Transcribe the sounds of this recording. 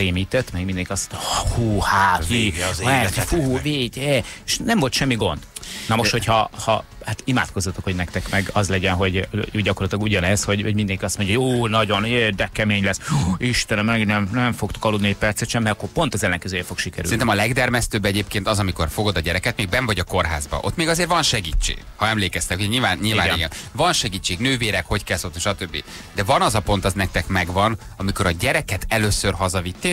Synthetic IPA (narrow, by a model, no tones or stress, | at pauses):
eːmiːt̪ɛt̪ːmɛɡmind̪ɛŋkiɒsmonɒhuːhaiɛfuveːɟɛeʃnɛmvolt̪ʃɛmːiɡo̞̰nd̪̥nɒmoʃt̪ho̞cʰhɒhɒ̰ | hat̪ima̰ːt̪ko̞zːɒt̪o̞kho̞ɟnɛk̚t̪ɛkmɛɡɒzlɛɟɛnɦo̞ɟøɟɒko̞rlɒt̪ilɒɡuɟɒnɛzho̞ɟhoɟmind̪ɛŋkiɒst̪mo̞ɲɟɔɦooːnɒɟo̞neːrd̪ɛkɛmeːɲlɛsiʃt̪ɛnɛmɛɡnɛmnɛɱfo̞kt̪o̥kɒlːud̪niɛc̚pɛrt̪sɛt̪ʃɛmːɛɒkːo̞po̞nt̪ɒzɛlːɛŋkɛzøːjɛfo̞kʃikɛɾy̰sɛinɛmɒlɛɡd̪ɛrmɛst̪øːbːɛɟeːpkeːnt̪ɒzɒmiko̞rfo̞ɡo̞d̪ɒɟɛɾɛkɛt̪̚meːɡ̚bɛɱvɒɟɒko̞rɦa̰ːzbɒ̰ʔot̪meːɡɒzeːɾvɒnʃɛɡiːt͡ʃːḛːɡ̥hɒɛmleːkɛst̪ɛkhuɛɲiːlvaːnɲilvaːn̰iɡɛ̰nvɒnʃɛɡiːt͡ʃːeːɡnøːveːɾɛkho̞ckɛlsot̪ːʃɒt̪øbːḭ | d̪ɛvɒnɒzɒpo̞n̪t̪ɒznɛk̚t̪ɛkmɛɡvɒn | ɒmiko̞ɾɒɟɛɾɛkɛt̪ɛløːsørɦɒzɒvit̪ːe